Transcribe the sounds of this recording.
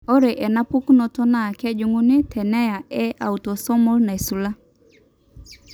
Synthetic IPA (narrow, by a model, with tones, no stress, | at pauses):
o˦ɾe˨ʔɛ˨na˦pu˦kno˨tɔ˦na˨kɛ˦d͡ʒu˨ŋu˦nɪ˦tʰɛ˨nɛ˦ja˨ɛ˦a˨u˨to˨sɔ˦mɔ˦lna˨e˨su˨la˦